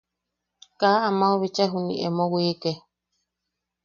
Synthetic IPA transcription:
kaamãoβit͡ʃaɦunḭ̃ʔemõwike

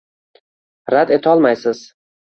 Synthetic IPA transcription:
ɾad̪e̞t̪ʰɒlˠmajsɪz̥

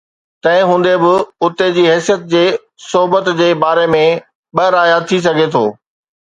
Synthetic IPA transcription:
t̪ɐ̃ɦɪ̃ɦũːn̆d̪ebɪʊt̪ed͡ʑiːɦɛːsijət̪̚d͡ʑeː | soɦbət̪d͡ʑeːbaːɾemẽ | ɓɐɾaːjat̪ʰis̬ɐɡʱet̪ʰoː

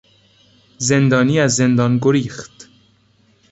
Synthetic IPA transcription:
ze̞nd̪ɒːniːæzːe̞nd̪ɒːnɡoɾiːxt̪

